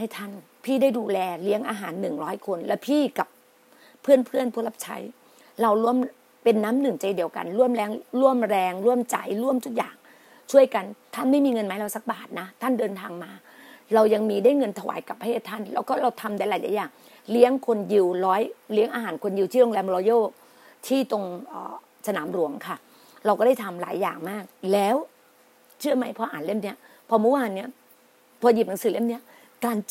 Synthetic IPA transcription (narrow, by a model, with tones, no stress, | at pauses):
ha˥˩jt̪ʰa˥˩n | pʰiː˥˩daː˥˩jduː˧lɛː˧li˦˥əŋʔaː˧ɦaː˩˦nːɯ˨˩ŋɾɔː˦˥jkʰo˧nlɛ˦˥wpʰiː˥˩ka˨˩p̚ | pʰːɯ˥˩ənpʰɯ˥˩ənpʰu˥˩la˦˥p̚t͡ɕʰa̰˦˥j | ɾa˧wɾu˥˩əm | pe˧nːaː˦˥mnɯ˨˩ŋt͡ɕa˧jdi˧əwka̰˧nɾu˥˩əmɾɛː˧ŋɾu˥˩əmɾɛː˧ŋɾu˥˩əmt͡ɕa̰˧˩jɾu˥˩əmt̪ʰu˦˥k̚ja̰ː˨˩ŋ | t͡ɕʰu˥˩əjka˧nt̪ʰa˥˩nma˥˩jmiː˧ŋɤ˧nmaː˦˥jɾa˧wsa˨˦k̚baː˨˩t̪̚na˦˥t̪ʰa˥˩ndɤː˧nt̪ʰaː˧ŋmaː˧ | ɾa˧wja˧ŋmiː˧daː˥˩jŋɤ˧nt̪ʰa˧wa̰ː˩˦jka˨˩pʰːa˧eː˥˩t̪ʰːa˥˩nlɛː˦˥wkɔː˥˩ɾa˧wt̪ʰa˧mdaː˥˩jlːaː˨˩˦jlaː˨˦jaː˨˩ŋ | li˦˥əŋkʰo˧nji˧wɾɔː˦˥jli˦˥əŋʔaː˧ɦaː˩˦nkʰo˧nji˧wt̪ʰiː˥˩lo˧ŋlɛː˧mlɔː˧˦joː˥˩ | t̪ʰiː˥˩t̪o˧ŋʔə̰ː˨˩ | sa˧naː˩˦mɾu˨˩˦əŋkʰa˥˩ | ɾa˧wkɔː˥˩da˥˩jt̪ʰa˧mla̰ː˩˦jːaː˨˩ŋmaː˥˩k̚lɛː˦˥w | t͡ɕʰɯ˥˩ɐma˦˥jpʰɔ˧ʔaː˨˩nle˥˩mni˦˥ɐ | pʰɔ˧mu˦˥waː˧nːi˦˥ɐ | pʰɔː˧ji˨˩p̚na˨˦ŋsɯː˨˦le˥˩mni˦˥ɐ | kaː˧n